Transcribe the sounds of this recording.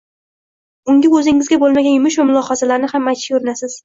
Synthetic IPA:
ʊŋʲaɵzɪŋɪzɡʲabolˠmaɡʲanjʊmɪʃvamʊlˠɒhɑzalaɾnɪhamːajt̪ʰɪ̥ʊɾɪnasɪz̥

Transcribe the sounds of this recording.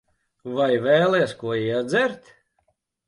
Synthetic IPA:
vajvɛːlˠɛɛskuɔiɛd̪zɛɾt̪

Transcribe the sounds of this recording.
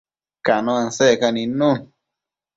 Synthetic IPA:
kanõanseʔkanĩnũn

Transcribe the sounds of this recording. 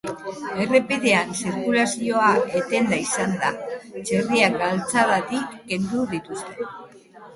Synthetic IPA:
e̞re̞piðe̞ansiɾkulasio̞ae̞t̪e̞nd̪aisand̪a̰t͡ʃe̞riaɡalt͡saðat̪ikːe̞nd̪uðit̪ust̪e̞

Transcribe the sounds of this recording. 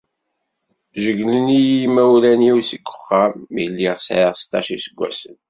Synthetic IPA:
ʒəɡlənijimæwlæniwsəɡʷːə̥χːæmilːiʁsʕiʁst̪ɑ̰ʃisəɡʷːæ̰sən

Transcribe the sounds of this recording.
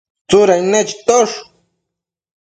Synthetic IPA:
t͡sʊɾajnet͡ʃt̪oʂ

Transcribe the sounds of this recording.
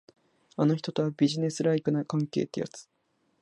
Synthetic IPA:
anoçi̥t̪o̞t̪o̞βabʲiʑine̞sɨɾaikɯ̟nakãŋke̞̰ːt̪ːeja̰t͡sɨ̥

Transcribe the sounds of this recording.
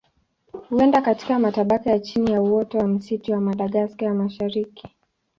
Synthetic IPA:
huɛndakati̥kamataɓakajat͡ʃinijauwɔtɔwam̩sitiwamaɗaɠaskajamaʃaɾiki̥

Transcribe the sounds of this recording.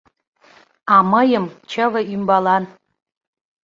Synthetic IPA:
ɑməjəmt͡ɕʰəvə̆ymbɑlɑn

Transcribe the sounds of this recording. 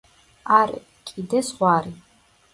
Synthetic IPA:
aɾ | kʼid̪ɛsʁʷaːɾi

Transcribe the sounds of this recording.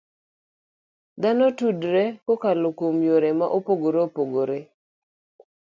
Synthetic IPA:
d̪anɔtudɾɛkokalokomjoɾemaʔopoɡoɾopoɡoɾe

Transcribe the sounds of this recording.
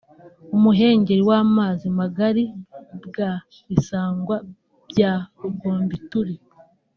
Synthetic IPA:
umuɦe̞ːɲɟe̞ɾiwaːmaːzimaɡaɾibɡa | βisaːŋɡwa | bɟaːɾuɡo̞ːmbituɾi

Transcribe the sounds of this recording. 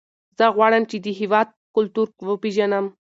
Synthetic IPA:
zəɣwɑɽəmt͡ʃed̪əɦɪwɑd̪̚kʊlt̪uɾwəpeʒanəm

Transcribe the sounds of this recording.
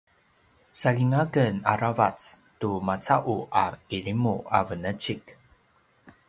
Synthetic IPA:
saliŋakənaɾavat͡stumat͡saʔuʔa̰iɭimua̰vənət͡ʃik

